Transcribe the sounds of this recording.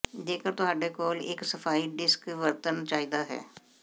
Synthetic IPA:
d̪eːkəɾt̪ʊɦaːɖeːkoːlɪksəpʰaːiːɖɪskʋəɾt̪ənt͡ʃaːiːd̪aːɦɛ̰ː

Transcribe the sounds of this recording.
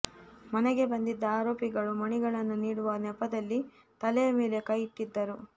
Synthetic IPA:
mɐnɛɡe̞bɐnd̪id̪ːɐaːɾo̞ːpiɡɐɭumɐɳiɡɐɭɐnːuniːɽuʋɐnɛpːɐd̪ɐlːi | t̪ɐlɛjɐme̞ːle̞kɐjiʈːid̪ːɐɾu

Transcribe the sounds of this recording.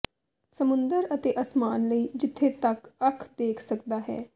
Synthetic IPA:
səmʊ̃nd̪əɾət̪eːʔəsmaːnləiːd͡ʒɪt̪ʰːet̪əkəkʰd̪eːkʰsəkd̪aːɦɛ̰ː

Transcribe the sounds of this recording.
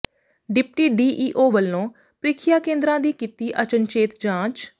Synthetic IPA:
ɖɪp̚ʈiːɖiːʔiːʔoːʋəlːõː | pɾɪkʰɪjaːkẽːnd̪ɾãːd̪iːkiːt̪iːʔət͡ʃənt͡ʃeːt̪d͡ʒãːt͡ʃ

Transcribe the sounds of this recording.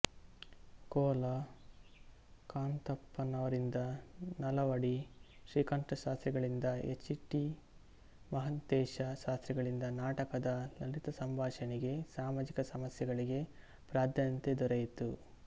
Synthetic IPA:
kɔːlɐ | kaːnt̪ɐpːɐnɐʋɐɾind̪ɐnɐlɐʋɐɽiʃɾiːkɐɳʈɐʃaːst̪ɾiɡɐɭind̪ɐet͡ʃːiʈːi | mɐɦɐnt̪ɛːʃɐʃaːst̪ɾiɡɐɭind̪ɐnaːʈɐkɐd̪ɐlɐlit̪ɐsɐmbʱaːʃɐniɡe̞saːmaːd͡ʒikɐsɐmɐsjɐɡɐɭiɡe̞ | pɾaːd̪ʱjɐnt̪ed̪ɔɾɐjit̪u

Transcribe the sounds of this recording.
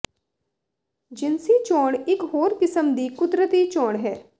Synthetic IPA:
d͡ʒɪnsit͡ʃoːɳɪkɦoːɾkɪsəmd̪iːkʊd̪ɾət̪it͡ʃoːɽɦɛː

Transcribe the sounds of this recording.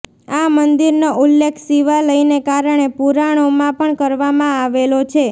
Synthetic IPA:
amənd̪iɾnoulːekʰsiʋaləjnekaɾəɳ̃epuɾaɽ̃omãpəɳkəɾʋamãaʋelot͡ʃʰe

